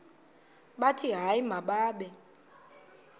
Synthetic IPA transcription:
ɓatʰiɦaimaɓaːɓɛ

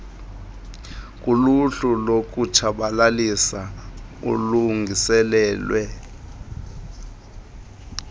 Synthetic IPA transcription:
k̬ʼuluɬulok̬utʰaɓalalisaṵluŋɡʱisɛlɛːlwɛ

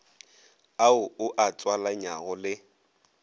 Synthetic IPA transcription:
aʊʊʔat͡sʼwalaɲaɣɔlɪ

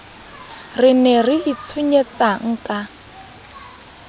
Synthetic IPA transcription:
rɪnɛriit͡sʰuɲet͡saŋ̩kʼa

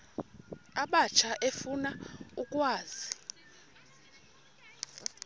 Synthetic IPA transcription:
aɓat͡ʃʰaʔefunaukʼwaːzi

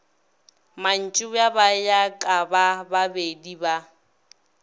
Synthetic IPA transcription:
man̩t͡ʃʼʊjabajakʼabababediba

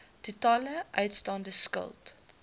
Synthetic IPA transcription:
tutɑːləʔœɥtstɑndəskə̰lˠt

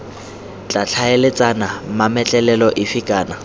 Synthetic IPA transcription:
t͡ɬʼat͡ɬʰaelɪt͡sʼanamamɛt͡ɬʼɛlɛlɔʔɪfikʼaːna

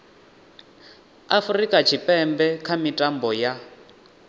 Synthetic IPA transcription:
afrikʼat͡ʃʰipʼɛmbɛkʰamitʼambɔja

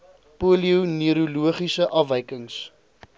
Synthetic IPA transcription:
puliuwniəɾuluəχisəʔɐfvɛjkəŋs

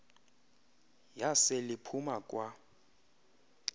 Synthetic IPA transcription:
jasɪlɪpʰumakʼwa

